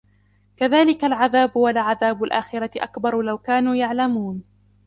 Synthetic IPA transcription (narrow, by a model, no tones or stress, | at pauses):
kaðaːlɪkalʕaðaːbʊwalʕaðaːbʊlʔaːxɪɾat̪ɪʔa̰kbɑɾˤlawkaːnuːjaʕlamuːn